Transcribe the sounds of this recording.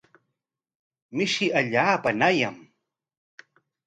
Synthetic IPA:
mɪʃɪʔaʎaːpanajam

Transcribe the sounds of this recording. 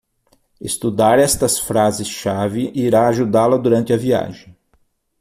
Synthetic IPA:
est̪ud̪aɾɛst̪ɐsfɾazɪsʃavɪʔiɾaːʒud̪alɐd̪uɾɐ̃nt̪ɪɐvia̰ʒẽj̃

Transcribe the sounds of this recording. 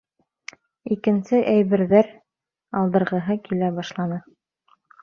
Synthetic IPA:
ikɘ̆nsɘʔæjβɘ̆ɾðæɾ | ɑlˠd̪ɤ̆ɾʁɤ̆ɦɤkilæbɑʃlˠɑnɤ

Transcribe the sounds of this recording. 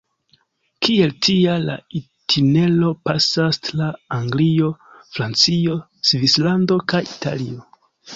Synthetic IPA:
kʰie̞ltʰiala̰i | tʰine̞lo̞pasastlaːŋɡlio̞fɾant͡sio̞ | svislando̞kajitʰa̰lio̞

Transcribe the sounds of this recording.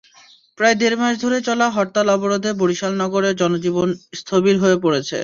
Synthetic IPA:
pɾaed̪eɾmaʃd̪ʱoɾet͡ɕɔlaɦɔɾt̪alɔboɾod̪ʱeboɾiʃalnɔɡoɾeɾd͡ʑɔnod͡ʑibonst̪ʰobiɾɦoepoɾet͡ɕʰḛ

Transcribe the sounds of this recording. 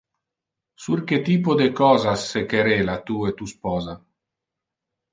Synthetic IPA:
suɾket̪iːpod̪ekɔːzasːekeɾelat̪uːet̪uspɔːza

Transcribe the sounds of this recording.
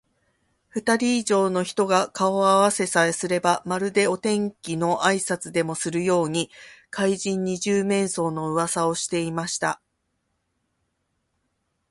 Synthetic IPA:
ɸɯ̟t̪aɾʲiːʑo̞ːno̞çi̥t̪o̞ɡakao̞aβase̞saesɨɾe̞bamaɾɯ̟d̪e̞o̞t̪ẽ̞ŋkʲino̞ʔaisat͡sɨd̪e̞mo̞sɨɾɯ̟jo̞ːɲ̟ikaiʑĩɲ̟ːiʑɨːmẽ̞ɰ̃so̞ːno̞ɯ̟βasao̞ɕi̥t̪e̞imaɕi̥t̪a̰

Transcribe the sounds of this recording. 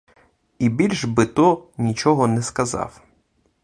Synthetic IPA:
ibʲilʲʒbɪt̪ɔnʲit͡ʃɔɦɔnɛskɐzɑ̰w

